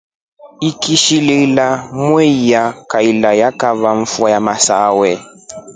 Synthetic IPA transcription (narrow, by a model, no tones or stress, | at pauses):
ikiʃililamwɛijakailajakavaɱ̩fwajamasawɛ